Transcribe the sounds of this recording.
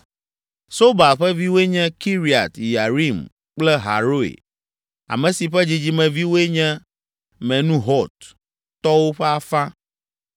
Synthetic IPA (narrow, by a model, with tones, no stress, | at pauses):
so˦ba˨ɸɛ˦vi˦wo˦e˦ɲɛ̃˦ki˦ɾi˨a̰˨t̪ja˨ɾi˦m | k͡plɛ˦ɦa̰˨ɾo˦ḛ˨ | a̰˨mɛ̃˨si˨ɸɛ˦d͡ʑi˦d͡ʑi˦mɛ̃˨vi˦wo˦e˦ɲɛ̃˦ | mɛ̃˨nũ˦ɦɔ˦t̪̚ | t̪ɔ˦wo˦ɸɛ˦a˨fã˦